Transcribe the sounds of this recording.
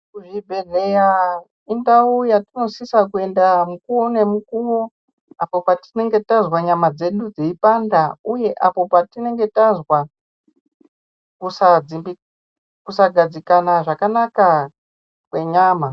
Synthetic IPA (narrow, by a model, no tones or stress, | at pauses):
kuʐibʱedeja | indaujatino̞sisakue̞ndamukuwone̞mukuwo | apo̞patine̞ŋɡe̞tazwaɲamad͡ze̞ɗud͡ziipandauje̞ʔapo̞patine̞ŋɡe̞tazwa | kusad͡zimbi | kusaɡʱad͡zikanaʐakanaka | kwe̞ɲaːma